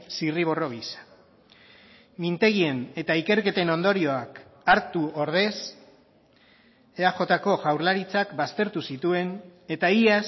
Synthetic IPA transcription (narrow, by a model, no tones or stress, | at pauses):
siriβ̞o̞ro̞ɣ̞isḁ | mint̪e̞ɣie̞ne̞t̪aike̞ɾke̞t̪e̞no̞nd̪o̞ɾio̞akaɾt̪uoɾðe̞s | eaʝo̞t̪ako̞ʝawɾlaɾit͡sakbast̪e̞ɾt̪usit̪ue̞ne̞t̪aias